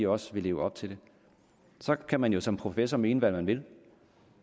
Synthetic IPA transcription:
ɒ̽sʋe̝le̝ːʊəɒ̽b̥̚t͡sʰe̝ld̥e̝ | sɒ̽kʰæmænjo̝sɒ̽mpʰʁo̝fesɒme̝ːnəʋælmænʋe̝l

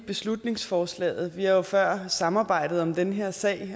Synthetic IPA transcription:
b̥e̝slud̥ne̝ŋsfɒːslɛ̰ːð̞̩ˠʋihɑ̈jo̝fɶɐ̰sɑ̈mɑ̈ːb̥ɑ̈ɪ̰d̥ð̩ˠɒ̽md̥enəɦeɐ̰sɛ̰ːɪ

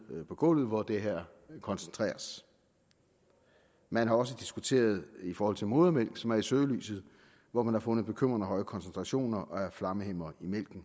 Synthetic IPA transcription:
pʰɒ̽ɡ̥ɔ̰ːlð̩ˠʋɒd̥e̝ɦeɐ̰ | kʰɒ̽nsənt͡sʰʁɛ̰ːɐs | mænɦɑ̈ɒ̽s̬əd̥isɡ̥ut͡sʰe̝̰ːɐð̞ˠifɒːhɒ̽l̰t͡sʰe̝lmo̝ːð̞ˠɐmel̰ɡ̥sɒ̽mæɐisøːly̰ːsð̞̩ˠ | ʋɒmænhɑ̈fɔ̽nð̩ˠb̥e̝kʰøm̰ʁɐnæɦɒ̽ɪəkʰɒ̽nsent͡sʰʁɑ̈ɕo̝̰ːnɐʔɒ̽æɐflɑ̈məhem̰ɐimel̰ɡ̥n̩

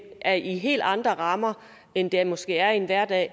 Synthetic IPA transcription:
æɐʔiɦe̝̰ːld̥ɑ̈nd̥ʁɐʁɑ̈mɐ | end̥emɒ̽sɡ̥e̝̰ːæɐenʋæɐ̰d̥ɛ̰ː

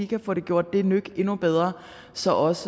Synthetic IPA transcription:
ikʰæfɔ̽ːɾ̥e̝ɡ̥jo̝ɐ̰d̥ːe̝nøɡ̥e̝nub̥eð̞ˠʁɐ | sɒ̽ʔɒ̽s

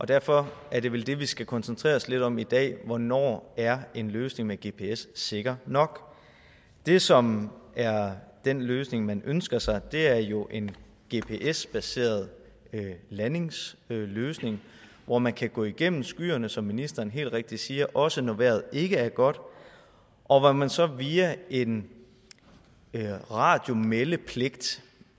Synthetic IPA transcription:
ʔɒ̽d̥æɐfɒ̽ʔæɐɾe̝ʋeld̥e̝ʋisɡ̥ækʰɒ̽nsənt͡sʰʁḛːɐsle̝ɾ̥ɒ̽mid̥ɛ̰ːʋɒnɒ̰ːæɐe̝nløːsne̝ŋmeɡ̥e̝pʰe̝esːe̝ɡ̥ɐnɒ̽ɡ̥ | d̥e̝sɒ̽mæɐd̥enløːsne̝ŋmænʔønsɡ̥ɐsɑ̈ɪd̥e̝æɐjo̝ʔe̝n | ɡ̥e̝̰pʰe̝ʔesb̥æse̝̰ːɐðˠ | læne̝ŋsløːsne̝ŋ | ʋɒmænkʰæɡ̥ɔ̰ːiɡ̥em̰m̩sɡ̥y̰ːɐnəsɒ̽mːinisd̥ɐːnɦe̝̰ːld̥ʁeɡ̥̚d̥isiːɐʔɒ̽sənoʋeɐð̞̩ˠe̝ɡ̥əæɐɡ̥ɒ̽d̥ | ʔɒ̽ʋɒmænsɒ̽ʋiːæe̝n | ʁɑ̈ːd̥jo̝meləpʰle̝ɡ̥̚d̥

